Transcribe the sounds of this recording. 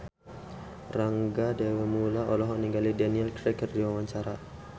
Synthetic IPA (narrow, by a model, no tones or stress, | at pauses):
raŋɡadewɛmulaʔɔlɔɦɔniŋɡalidaniɛlkɾɛkərdiwawaɲt͡ʃaɾa